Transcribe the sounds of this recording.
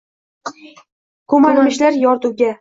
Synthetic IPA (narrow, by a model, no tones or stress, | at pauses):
kʰɵmalaɪʃlaɾjɒɾt̪uwɡʲa